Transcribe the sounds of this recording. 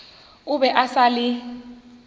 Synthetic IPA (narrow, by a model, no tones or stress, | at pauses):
uɓɛʔasali